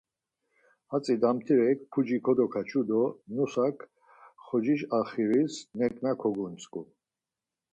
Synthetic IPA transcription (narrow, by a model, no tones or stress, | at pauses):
at͡sʼid̪amt̪ʰiɾɛkpʰud͡ʒikʰɔd̪ɔkʰat͡ʃʰud̪ɔnusakʰ | χɔd͡ʒiʃaχiɾisnɛɾkʼnakʰɔɡunskʼu